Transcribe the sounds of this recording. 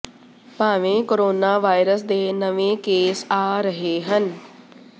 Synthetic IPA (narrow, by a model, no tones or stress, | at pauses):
paːʋẽːkoɾoːnaːʋaːjɾəs̬d̪eːnɐʋẽːkeːsaːɾɐɦeːɦən